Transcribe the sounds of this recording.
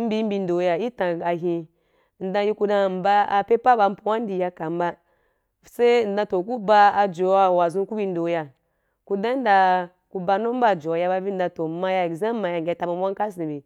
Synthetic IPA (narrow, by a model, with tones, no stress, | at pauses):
m̩˦bi˦m̩˦bi˧n̩˦do˨˦ja˨ji˦tã˨ɡa˨ɦi˧˨ | n̩˨dã˧ji˦ku˧dã˧˨m̩˨ba˦a˨pe˦pa˦ba˧m̩˦pu˨wa˦n˦di˨ja˧ka˨m˦ba˦ | se˦n̩˨dã˧to˨ku˦ba˧a˧d͡ʒo˨a˨wa˨zũ˦ku˦bi˧n̩˦do˨˦ja˨ | ku˦dã˦n˦da˧ | ku˦ba˧no˦m̩˦ba˦˨d͡ʒo˨a˨ja˧˦ba˧bi˦n̩˦dã˧to˨ma˧ja˧˨zã˦ma˧ja˨ŋʲ˨e˨ta˨ma˨˦a˦ŋ˦ka˦s̬ĩ˨bi˨